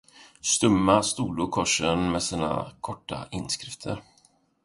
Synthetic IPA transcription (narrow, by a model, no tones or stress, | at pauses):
st̪ɵmːast̪uːd̪ukʰɔʂənmɛsiːna̰kʰɔʈʰːa̰ʔɪnːskɾɪft̪ʰə̰ɾ